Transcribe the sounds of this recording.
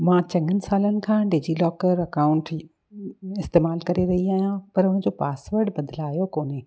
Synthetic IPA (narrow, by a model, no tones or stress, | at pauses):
mãːt͡ɕɐ̃ŋɡʱənɪ̆saːlənɪ̆kʰãːɖed͡ʑilɔːkəɾɐkaːʊ̃ɳʈ | ɪst̪eːmaːlkɐɾeɾɐɦiaːɦijãpɐɾʊ̃ɦɪ̃ɲ̆d͡ʑopaːsʋəɾɖbɐd̪laːjokoːnɪ